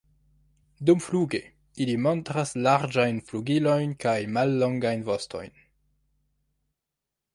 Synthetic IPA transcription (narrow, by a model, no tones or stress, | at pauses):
dumfluɡe | ilimo̞ntɾaslaɾd͡ʒajnfluɡilo̞jnkajmalːo̞ŋɡajnvo̞sto̞̰jn